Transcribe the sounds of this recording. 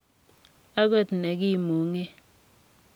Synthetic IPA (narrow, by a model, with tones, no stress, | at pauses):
a˦ɡɔ˦˨tne˨ki˦˨mu˨ŋe˦